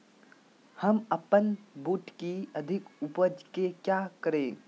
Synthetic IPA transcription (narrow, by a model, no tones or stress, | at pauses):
həməpənbuːʈkiəd̪ʱɪkupəd͡ʒkekjakəɾẽː